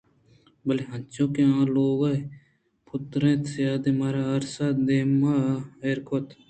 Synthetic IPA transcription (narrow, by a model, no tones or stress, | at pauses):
bəliɦɐ̃nt͡ʃõːkẽãːloːɡɐ | pʰʊt̪ɾẽːt̪sjaːd̪emaːɾaɐɾsaːd̪eːmaeːɾkʰot̪ʰ